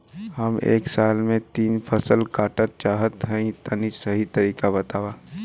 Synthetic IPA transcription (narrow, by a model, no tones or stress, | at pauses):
hɐmḛːksaːlmẽt̪iːnpʰɐsəlkaːʈət̪̚t͡ʃaːɦət̪ɦɐ̃ĩt̪ənisɐɦit̪ɐɾiːkabɐt̪aːʋaː